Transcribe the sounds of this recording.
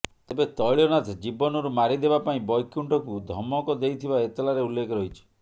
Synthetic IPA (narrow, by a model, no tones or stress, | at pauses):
t̪ebet̪ɔjɭjɔnat̪ʰed͡ʒibɔnɔɾumaɾid̪ebapaĩbɔjkuɳʈɔkud̪ʱɔmɔkɔd̪ejt̪ʰibaet̪ɔlaɾeulːekɔɾɔɦit͡ʃʰɔ̥